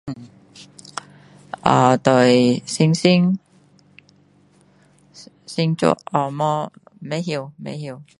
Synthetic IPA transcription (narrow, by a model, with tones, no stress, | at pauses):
a̰ː˨˧t̪o˨˧˩jsi˥ŋsi˥ŋ | si˥ŋt͡ʃṵ˥ʔɔ˧mɔː˧˥ | me˨˥jɦi˧wmḛ˨˧˥jhiː˧w